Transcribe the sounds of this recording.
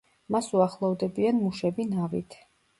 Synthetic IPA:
masuaχlˠɔvd̪ɛbianmuʃɛbinavḭt̪ʰ

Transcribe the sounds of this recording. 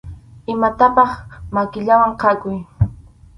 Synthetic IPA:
ɪmat̪apɑχmakɪʎawaɴqʰɑkʊj

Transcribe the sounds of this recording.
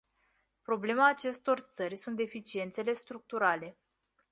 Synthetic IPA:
pɾo̞ble̞maːt͡ʃe̞st̪o̞rt̪sərʲsunt̪̚d̪e̞fit͡ʃie̞nt̪se̞le̞st̪ɾuk̚t̪uɾale̞

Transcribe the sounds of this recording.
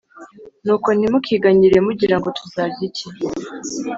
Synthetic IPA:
nuːko̞nimukʰiɡaɲiɾe̞muɟiɾaŋɡo̞tʰuzaːvjici

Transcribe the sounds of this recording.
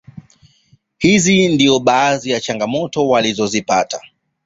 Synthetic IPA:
hizindiɔɓaːzijat͡ʃaŋɡamɔtɔwalizɔzipata

